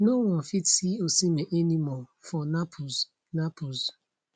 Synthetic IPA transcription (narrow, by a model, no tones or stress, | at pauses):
nowɔ̃nfitsiosimeʔenimɔfɔnapʰoz | napoz